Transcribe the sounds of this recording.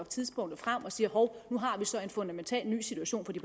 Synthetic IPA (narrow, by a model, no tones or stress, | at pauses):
t͡sʰiðˠsb̥ɔ̽ŋ̰d̥ð̩ˠfʁam̰ɒ̽siːɐhɒʊnuɦɑ̈ʋisɒ̽e̝nfɔ̽nd̥æment͡sʰɛ̰ːlny̰ːsidt͡sʰuæɕo̝̰ːnfɒ̽d̥ipʰ